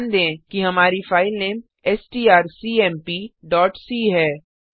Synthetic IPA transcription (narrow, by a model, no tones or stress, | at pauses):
nd̪ẽːkiɦɐmaːɾifaːɪlnẽːm | ɛsʈiːaːɾsiːɛːmpiːɖɔːʈsiːɦɛː